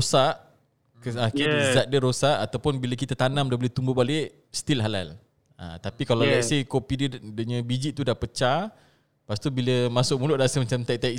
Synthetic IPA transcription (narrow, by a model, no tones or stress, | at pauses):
saʔ | kəakizaʔ̪̚dəɾosaʔat̪awpʊnbiləkit̪at̪anãmdabolet̪umbʊhbalɪʔ | st̪ilɦala̰l | ã̰t̪apikalalaʔsikopidədəɲãbid͡ʒiʔt̪udahpət͡ʃa | past̪ubiləmasʊʔ̚mulʊʔdasəmat͡ʃamt̪aʔ̚t̪aʔ